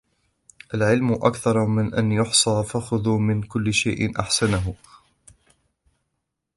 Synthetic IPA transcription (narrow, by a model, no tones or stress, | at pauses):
ʔalʕɪlmʔakθɑɾˤmɪnʔanjʊħsˤɑːfaxʊðuːmɪnkʊlːɪʃajʔɪnʔaħsanaɦʊ